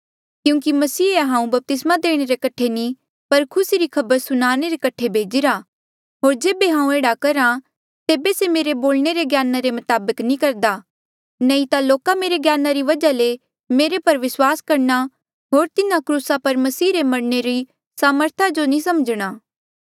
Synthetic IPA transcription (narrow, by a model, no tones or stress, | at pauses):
kjũːk̬imɐsiːeɦãːũbɐp̚t̪ɪsmad̪eːɽ̃eɾekɐʈʰenĩ | pɐɾkʰʊsiɾikʰɐbəɾsʊnaːɽ̃eɾekɐʈʰebʱeːd͡ʒiɾa | ɦoːɾd͡ʒeːbeɦãːũeːɽakɐɾã | t̪eːbesemeːɾeboːlɳ̃eɾeɡjaːnaɾemʊt̪aːbəknĩkɐɾd̪a | nɛ̃ĩt̪aloːkameːɾeɡjaːnaɾiʋɐd͡ʒale | meːɾepɐɾʋɪswaːskɐɾna | ɦoːɾt̪ɪnãkɾuːsapɐɾmɐsiːɾemɐɽneɾi | saːməɾt̪ʰad͡ʒonĩsɐmd͡ʒɽ̃aː